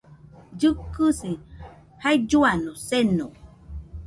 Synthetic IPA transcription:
d͡ʒɨkɨsi | haid͡ʒuanoseno

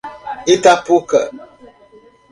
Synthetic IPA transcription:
itapukə

